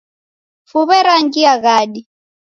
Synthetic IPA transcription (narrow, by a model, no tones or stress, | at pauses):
fuβɛɾaŋkiaɣaːɗi